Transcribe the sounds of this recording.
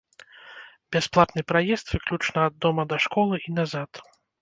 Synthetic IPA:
bʲasplˠat̪nɨpɾajɛst̪vɨklʲut͡ʂnɐːd̪ːɔmɐd̪ɐʂkɔlˠɨʔinazat̪

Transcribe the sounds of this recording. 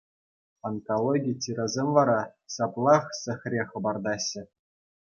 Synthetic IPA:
onkolˠoɡʲitʲiɾɑzʲemʲʋɑɾɑsɑplˠɑχsʲɘ̆xʲrʲeχɤ̆bɑrd̪ɑɕːɘ̆

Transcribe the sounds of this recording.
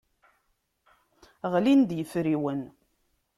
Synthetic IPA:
ʁlind̪jəfɾiwən

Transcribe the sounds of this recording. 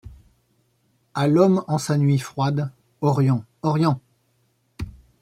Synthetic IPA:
alɔmɑ̃sanɥifχwad̪ | ɔʁjɑ̃ɔʁjɑ̃

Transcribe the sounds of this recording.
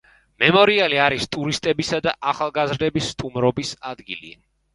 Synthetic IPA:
mɛmɔɾialiaɾist̪ʼuɾist̪ʼɛbisad̪aʔaχalˠɡazɾd̪ɛbisːt̪ʼumɾɔbisad̪ɡḭlḭ

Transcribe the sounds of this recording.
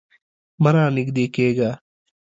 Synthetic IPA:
mɐɾãːnɪkd̪eːkeːɡaː

